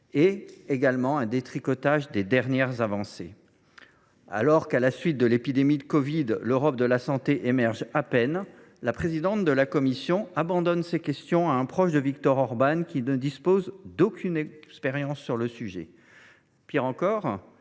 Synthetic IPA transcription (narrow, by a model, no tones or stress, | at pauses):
eeɡalmɑ̃ɛ̃d̪et̪χikɔt̪aʒd̪ed̪ɛʁnjɛʁzavɑ̃se | a̰lɔʁkalasɥit̪̚d̪əlepid̪emid̪əkɔvid̪løʁɔp̚d̪əlasɑ̃t̪eʔemɛʁʒapɛn | lapχezid̪ɑ̃t̪d̪əlakɔmisjɔ̃abɑ̃d̪ɔnsekʲɛst̪jɔ̃aɛ̃pχɔʃd̪əvik̚t̪ɔʁɔʁbankʲinəd̪ispozd̪okʲʰynɛspɛʁjɑ̃sːyʁləsyʒɛ̰ | piʁɑ̃kɔʁ